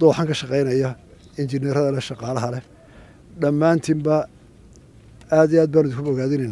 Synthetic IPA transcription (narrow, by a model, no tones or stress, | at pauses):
d̪ɔːħɑŋkʰɐʃɑqɛjnɐjɐ | ɪnt͡ʃɪnɛɾɐðɐlɐʃɑqɑːlɐɦɐlɛ | ɖɐmːaːnt̪ʰimbɐ | aːd̪ijaːd̪̚baːnʊðɪkʰʊbɔɣaːðɪnɛjnːa